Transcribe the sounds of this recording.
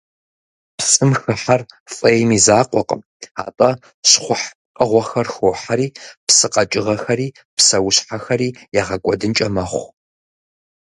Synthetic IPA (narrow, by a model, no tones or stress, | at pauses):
psʼɨmxɨħarfʼejmizaːqʷʼɔqʼə̰m | a̰ːtʼɐ | ɕχʷʊħ | qʼəʁʷɔxɐrxoːħaɾiːpsɨqʼɐt͡ʃʼɪʁɐxɐɾiː | psɐwɕħaxɐɾiːjaːʁɐkʷʼɔdɨnt͡ʃʼɐmɐχʷ